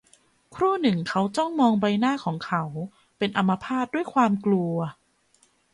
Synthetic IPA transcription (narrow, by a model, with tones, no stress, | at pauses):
kʰɾuː˥˩nɯ˨˩ŋkʰa˦˥wt͡ɕɔ˥˩ŋmɔː˧ŋba˧jnaː˥˩kʰɔː˩˦ŋkʰa˦˥w | pe˧nʔa˧mːa˧pʰaː˥˩t̪̚du˥˩əjkʰwaː˧mklu˧ɐ